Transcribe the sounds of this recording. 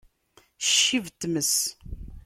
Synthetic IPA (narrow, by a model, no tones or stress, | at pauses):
ʃːivt̪ːməs